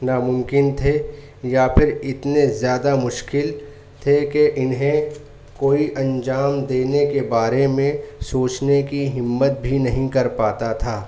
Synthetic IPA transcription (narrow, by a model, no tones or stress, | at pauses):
naːmʊ̃mkɪnt̪ʰe | japʰɪɾɪt̪nezjaːd̪amʊʃkɪl | t̪ʰekeʔɪnɦẽ | koːiʔɐ̃nd͡ʒaːmd̪eːnekebaːɾemẽsoːt͡ʃnekiɦɪmːət̪̚bʱinɐɦĩkɐɾpaːt̪at̪ʰaː